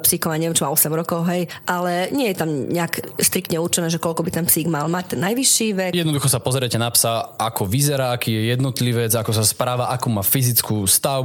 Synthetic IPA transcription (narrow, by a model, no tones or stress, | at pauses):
psiːkɔmaɲɛʋjɛmt͡ʃimaɔsɛmɾɔkɔʊɦɛjʔalɛɲɪɛjɛt̪amɲɛakst̪ɾik̚t̪ɲɛuɾt͡ʃɛnɛːʒɛkɔlkɔbit̪ɛnpsiːɡmalmac̚t̪ɛnːajʋiʃːiːʋɛjɛd̪nɔd̪uxɔsapɔzɾɛcɛnapsaakɔʋizɛɾaːakiːjɛjɛd̪nɔt̪liʋɛd͡zakɔsaspɾaːʋaʔakuːmaːfizit͡skuːst̪aʊ